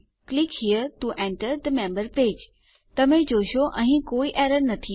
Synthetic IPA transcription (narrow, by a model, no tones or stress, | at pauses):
klikhiːəɾt̪uʔɛ̃ɳʈəɾd̪əmẽːmbəɾpɾeːd͡ʑ | t̪ɐm̤ẽd͡ʑoːʃoʔɛ̃ɦkoːiʔeːɾəɾnɐt̪ʰi